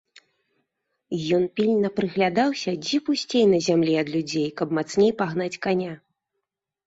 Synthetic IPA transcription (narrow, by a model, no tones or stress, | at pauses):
jɔnpʲilʲnɐpɾɨɣlʲad̪awsʲɐd͡zʲɛpusʲt͡sʲejnɐzʲamlʲiɐd̪lʲud͡zʲejkɐbmat̪snʲejpaɣnat͡sʲkanʲa